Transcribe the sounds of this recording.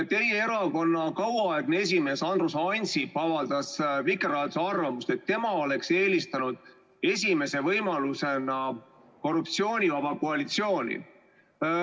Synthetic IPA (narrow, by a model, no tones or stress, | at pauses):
t̪e̞jeeɾɑko̞nːɑkɑwɑɑeɡ̥nee̞s̬ʲime̞ːsɑnd̪rusɑjnʲsipɑvɑld̪̥ɑsvikːˑeɾɑːt̪sɑrvɑmust̪e̞t̪ːe̞mɑo̞le̞kse̞ːlist̪ɑnud̪̥̚ | e̞sʲime̞se̞vɤjmɑluse̞nɑ | ko̞rup̚t̪sio̞ːnʲivɑb̥ɑkoɑlit̪sio̞ːnʲḭ